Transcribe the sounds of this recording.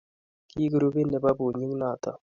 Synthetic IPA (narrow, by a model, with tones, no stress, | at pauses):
kiː˦ɡɾu˦bi˦ne˨ba˦bu˨ɲu˦ŋna˦˨t̪a̰˨